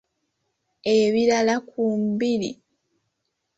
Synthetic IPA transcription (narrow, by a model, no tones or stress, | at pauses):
eβiɾalakumbiɾḭ